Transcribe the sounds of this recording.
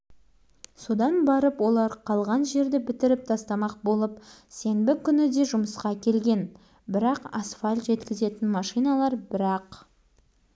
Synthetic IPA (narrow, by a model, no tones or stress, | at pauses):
so̞d̪ɑnbɑɾəpwo̞lˠɑɾqʰɑlˠʁɑnʒe̞ɾd̪ɪbɪt̪ɪɾɪp̚t̪ʰɑst̪ɑmɑq̚bo̞lˠəpse̞nbɪkʲʰʏnɪd̪e̞ʒʊməsqɑkʲʰe̞lɡʲe̞n | bɪɾɑqasfalʲʒe̞t̪kʲɪze̞t̪ɪnmɑʃijnɑlˠɑɾbɪɾɑq